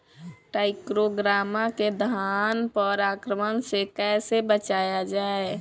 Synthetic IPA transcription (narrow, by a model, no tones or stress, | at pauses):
ʈaːɪkɾoɡɾaːmaked̪ʱanpəɾaːkɾəmənsekɛːsebət͡ʃaːjad͡ʒaːe